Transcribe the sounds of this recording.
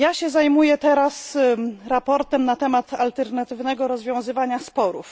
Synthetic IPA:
jaɕɛzajmujɛt̪ɛɾasɾapɔɾt̪ɛmnat̪ɛmat̪alt̪ɛɾnat̪ɘvnɛɡɔɾɔzvʲjɔ̃w̃zɘvaɲaspɔɾṵf

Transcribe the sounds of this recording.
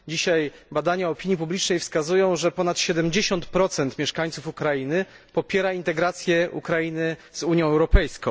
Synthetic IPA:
d͡ʑiɕajbad̪aɲaɔpʲiɲjipublʲit͡ʂnɛjfskazujɔ̃w̃ʐɛpɔnat̪ɕɛd̪ɛmd͡ʑeɕɔnt̪pɾɔt̪sɛnt̪mʲjɛʂkaɲt̪sufukɾainɘ | pɔpʲjɛɾaint̪ɛɡɾat̪sʲjɛṵkɾajinɘz̥uɲjɔ̃w̃ɛwɾɔpɛjskɔ̃w̃

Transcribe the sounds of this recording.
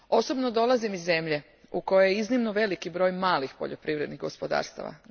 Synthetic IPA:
o̞so̞bnod̪o̞lˠazimizːe̞mʎe̞ | uko̞jejeiznimnoʋe̞likibɾo̞ːjmaːlixpo̰ʎopɾiʋɾe̞d̪niɣɡo̞spo̞d̪a̰ːɾst̪a̰ʋa̰

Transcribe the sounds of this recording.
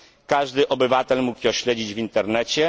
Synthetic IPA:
kaʐd̪ɘʔɔbɘvat̪ɛlmukʲjɔɕlɛd͡ʑid͡ʑvʲint̪ɛɾnɛt͡ɕɛ

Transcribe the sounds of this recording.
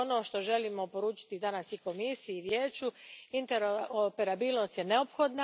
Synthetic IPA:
ono̞ːʃt̪o̞ʒe̞limo̞po̞ɾuːt͡ʃi̥t̪id̪anasiko̞misijːʋjeːt͡ʃuint̪eɾoopeɾabiːlˠno̞st̪je̞ne̞o̞pxo̞d̪na

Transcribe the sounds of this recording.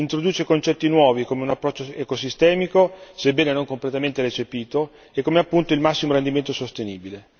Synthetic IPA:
int̪ɾod̪uːt͡ʃekont͡ʃɛt̪ːinwɔːvikomeunapːɾɔt͡ʃːoekosist̪ɛːmikosebːɛːnenoŋkomplet̪ament̪eɾet͡ʃepiːt̪o | ekːomeapːunt̪oilmasːimoɾend̪iment̪osost̪eniːbile

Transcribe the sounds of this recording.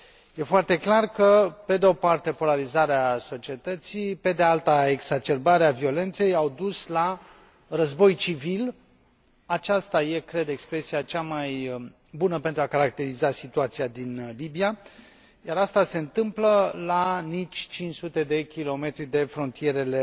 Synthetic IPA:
je̞foart̪e̞klarkəpe̞d̪eo̞part̪e̞po̞laɾizaɾeaso̞t͡ʃie̞t̪ət̪sipe̞d̪ealt̪ae̞ɡzat͡ʃe̞rbaɾeavio̞le̞nt̪se̞jawd̪usla | rəzbo̞jt͡ʃivil | at͡ʃast̪aje̞kɾe̞d̪e̞kspɾe̞sijat͡ʃamaj | bunəpe̞nt̪ɾuakaɾak̚t̪e̞ɾizasit̪uat̪sijad̪inlibia | jaɾast̪ase̞ɨnt̪ɨmpləlanit͡ʃʲt͡ʃint͡ʃsut̪e̞d̪e̞kʲilo̞me̞t̪ɾid̪e̞fɾo̞nt̪ije̞ɾe̞le̞

